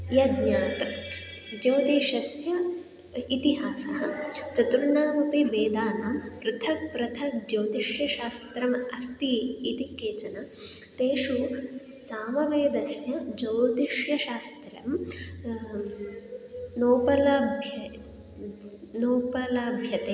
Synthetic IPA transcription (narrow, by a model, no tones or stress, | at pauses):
jɐd̪ɲaːt̪ | d͡ʒɐwt̪iːʃɐsjɐ | it̪iɦaːsɐɦɐt͡ʃɐt̪ɾuɳaːmɐpiʋeːd̪aːnaːmpɾɐt̪ʰɐkpɾɐt̪ʰɐkd͡ʒɐwd̪iʃjɐʃaːst̪ɾɐmɐst̪iit̪ikeːt͡ʃɐnɐ | t̪eːʃu | saːmɐʋeːjd̪ɐsjɐd͡ʒɐwd̪iʃjɐʃaːst̪ɾɐm | noːpɐlabʱj | noːpɐlaːbʱjɐt̪e